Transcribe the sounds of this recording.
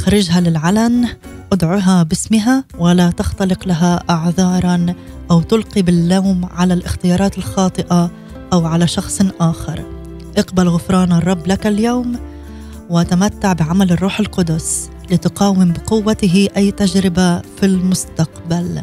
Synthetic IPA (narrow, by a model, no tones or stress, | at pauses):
xaɾˤɪd͡ʒɦalɪlʕalanʔʊd̪ʕʊɦabɪsmɪɦawalat̪axt̪alɪqlaɦaʔaʕðˤɑːɾˤɑn | ʔawt̪ʊlqibɪlːawmʕalalʔɪxt̪ɪjɑːɾˤɑːt̪ɪlxɑːt̪ˤɨʔa | ʔawʕalaʃɑxsˤʔaːxɪɾˤ | ʔɪqbalɣʊfɾˤɑːnɑrˤːɑbːlakaljowm | wɪʔat̪amat̪ːaʕbɪʕamalɪrˤːuːħɪlqʊd̪ʊs | lɪt̪ʊqɑːwɪmbɪqʊwːat̪ɪɦɪʔajːt̪ad͡ʒɾɪbafilmʊst̪aqbal